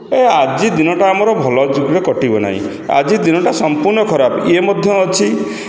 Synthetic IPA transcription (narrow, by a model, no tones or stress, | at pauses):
ead͡ʒid̪inɔʈaːmɔɾɔbʱɔlɔd͡ʒuɡɾekɔʈibɔna̰ɦḭ̃ | a̰d͡ʒid̪inɔʈasɔmpuɾnɔkʰɔɾabemɔd̪ʱjɔːt͡ʃʰi